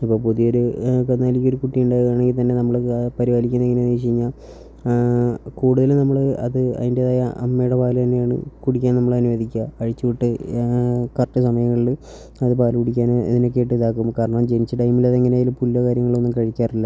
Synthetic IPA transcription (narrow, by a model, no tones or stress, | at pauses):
ipːopuðijoɾukɐnːaːlikʲːoɾukuʈːijuɳɖaːjɣuaːɳe̞ŋɡilt̪ɐnːe̞nɐmːɐɭpɐɾiʋaːlikʲːunɐeŋːɐneniɕ̬iiɲːa | kuːɽuðɐlnɐmːɐɭɐðɨɐ̰ðindeɐðaːjɐʔɐmːejuɽepaːlɨt̪ɐnːejaːɳɨ̰kuɽikʲːaːnnɐmːɐɭɐnuʋeːd̪ikʲːaːɻit͡ɕːɨʋiʈːɨ | kɐrʈːɨsɐmɐjɐŋːɐɭil | ɐðɨpaːlkuɽikʲːaːneðino̞k̬ːe̞ːʈːiðaːkːumkaːɾɐɳɐmt͡ɕenit͡ɕːɨʈɐjmilɐðe̞ŋːɐneːjilupulːɐkaːɾjɐŋːɐɭo̞nːumkɐɻikʲːaːrilːɐ